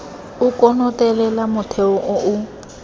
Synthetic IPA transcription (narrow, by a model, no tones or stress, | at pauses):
ʊkʼɔnɔtʼɛlɛlamʊtʰeʊʔʊʔʊ